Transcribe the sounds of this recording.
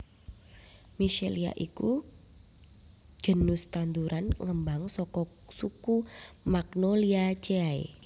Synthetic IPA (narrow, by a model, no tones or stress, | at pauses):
miʃelia̰ʔiku | d͡ʒ̥ə̤nust̪and̪uɾanŋəmbaŋsɔkɔ | sukumaknoliat͡ʃeaḛ